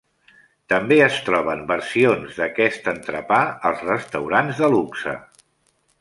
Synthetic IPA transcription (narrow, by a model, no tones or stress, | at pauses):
t̪əmbeəst̪ɾɔβ̞əmbəɾsionzðəkɛst̪ənt̪ɾəpaəlˠzrəst̪əwɾanzðəluksə̰